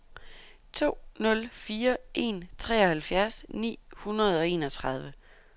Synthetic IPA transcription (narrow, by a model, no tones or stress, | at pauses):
t͡sʰo̝̰ːnɔ̽lfiːɐʔe̝̰nt͡sʰʁɛ̰ːɒ̽hælfjæɐsnḭːhunɐð̞ˠɒ̽e̝̰ːnɒ̽t͡sʰʁɑ̈ð̞ˠʋə